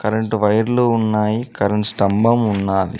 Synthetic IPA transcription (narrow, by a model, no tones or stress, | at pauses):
kɐɾɐɳʈʋɐjɐɾloːunːaːjikɐɾɐɳʈsʈɐmbɐmunːaːd̪ḭ